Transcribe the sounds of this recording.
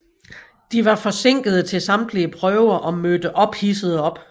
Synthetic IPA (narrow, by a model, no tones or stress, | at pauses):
d̥iʋɑ̈fɒ̽se̝ŋ̰ɡ̥ð̞ˠət͡sʰe̝lsɑ̈md̥liəpʰʁœʊɐʔɒ̽mød̥əʔɒ̽b̥hisəð̞̩ˠəɒ̽b̥